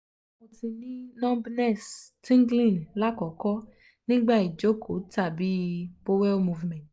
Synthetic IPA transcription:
o˨tĩ˨˧nĩ˦nɔ̃˦bnɛ˦˨stĩ˦ŋɡlĩ˨nla˦kɔ˨kɔ˦ | nĩ˦ɡ͡ba˦˨i˨d͡ʒo˨˦ko˨˦ta˦˨bi˦bo˦wɛ˦mu˧vmɛ̃˨t

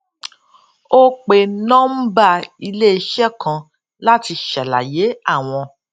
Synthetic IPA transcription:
o˦k͡pe˧nɔ̃˦m̩˦ba˦˨i˧le˦i˧ʃɛ˦kã˧ | la˦ti˧ʃɛ˨la̰˨je˨˦a˦˨w̃ɔ̃˧

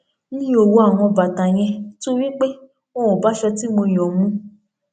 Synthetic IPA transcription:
nĩ˦o˨wo˧a˨w̃ɔ̃˧ba˨ta˨j̃ɛ̃˧to˦wi˦k͡pe˦ | o˦wɔ̃˨ba˨˦ʃɛ˧ti˦mo˧j̃ɔ̃˨mũ˦

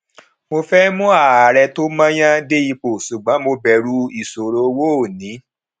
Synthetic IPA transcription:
mo˧fɛ˦mũ˦a˦˨a˨ɾɛ˧to˦mã˦j̃ã˦de˦i˧k͡po˨ʃu˨ɡ͡bã˨˦mo˧bɛ˧˨ɾu˧˦i˨so˨ɾo˨˦wo˦˨nĩ˨˦

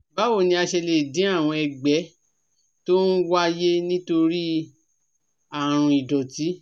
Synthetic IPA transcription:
ba˦wo˦˨nĩ˧˦a˧ʃɛ˧le˨dĩ˨˦a˦˨w̃ɔ̃˧ɛ˧ɡ͡bɛ˨˦ | to˦n̩˦wa˦je˦nĩ˦to˧ɾi˦ | a˨ɾ̃ũ˧˨i˨dɔ˨ti˨˦

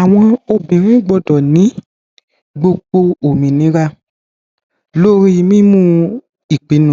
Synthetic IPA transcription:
a˨w̃ɔ̃˧o˧bĩ˨ɾĩ˦ɡ͡bɔ˧dɔ˨nĩ˨˦ | ɡ͡bo˧ɡ͡bo˧o˨mĩ˨nĩ˨˦ɾa˧ | lo˦ɾi˦˧mĩ˦mũ˦ | i˨k͡pi˨˦nũ˦˨

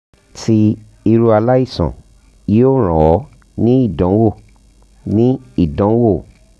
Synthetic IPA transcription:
ti˧ | i˧ɾu˧a˧la˦i˦˨sɔ̰̃˨ | ji˦o˦˨ɾ̃ɔ̃˨wɔ˨˦ | nĩ˦i˦˨dɔ̃˨˦wo˦˨ | nĩ˦i˦˨dɔ̃˨˦wo˦˨

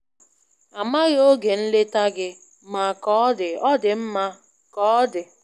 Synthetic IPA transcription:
a˨ma˦ɣo˦ɡe˨n̩˦le˦ta˦ɡɪ˦ | ma˨kɔ˦ɔ˦dɪ˨ɔ˦dɪ˨m̩˦ma˦ | kɔ˨˦ɔ˦dɪ˨

